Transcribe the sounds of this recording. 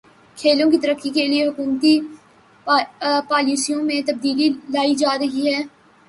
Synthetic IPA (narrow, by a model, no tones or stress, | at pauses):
kʰeːlõkit̪ɐɾəkʰːikelieɦʊkuːmt̪i | paːliːsijõmẽt̪ɐb̚d̪iːlilaːid͡ʒaːɾɐɦiɦɛː